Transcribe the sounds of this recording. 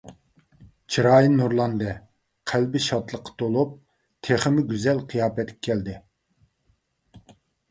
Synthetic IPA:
t͡ʃʰiɾɑːjinːuɾlˠɑnd̪ɛ | qʰælbɪʃɑt̪lˠəqʰːɑ̥t̪ʰolˠup̚ | t̪ʰeχɪmɪɡʲyzɛlqʰijɑːpɛt̪̚kʲɛ̥kʲʰɛld̪ɪ

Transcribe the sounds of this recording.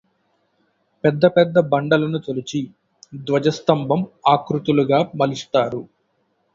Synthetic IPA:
pɛd̪ːɐpɛd̪ːɐbɐɳɖɐlɐnut̪olit͡ʃi | d̪ʋɐd͡ʒɐst̪ɐmbʱɐmaːkɾut̪uluɡaːmɐlist̪aːɾu

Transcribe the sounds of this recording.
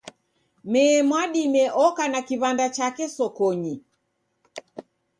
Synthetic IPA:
mɛːmwaɗimɛʔɔkanakiβandat͡ʃakɛsɔkɔɲi

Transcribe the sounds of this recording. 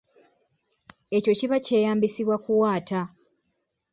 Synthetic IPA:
e̞co̞ciβaceːjaːmbisiβwakuwaːta

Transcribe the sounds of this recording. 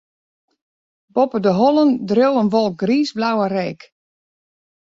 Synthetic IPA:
bɔpədəɦɔlˠəndrjowənʋɔlˠk̚ɡriːsblawərɛːk

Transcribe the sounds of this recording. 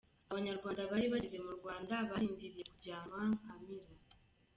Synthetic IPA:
aβaɲaɾɡwaːndaβaɾiβaɟize̞muɾɡwaːndaβaɾiːndiɾije̞kuɾɟaːmaŋkamiɾa

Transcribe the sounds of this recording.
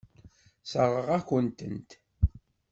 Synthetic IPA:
səɾˤəʁæçənt̪ənt̪

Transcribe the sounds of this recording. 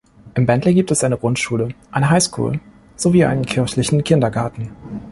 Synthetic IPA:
ʔɪmbɛntləɡiːptɛsʔaɪnəɡ̥ʁʊntʃuːləʔaɪnəɦaɪskʰṵːl | z̥oviːʔa̰ɪnənkʰɪɐçlɪçn̩kʰɪndɐɡaɐtn̩

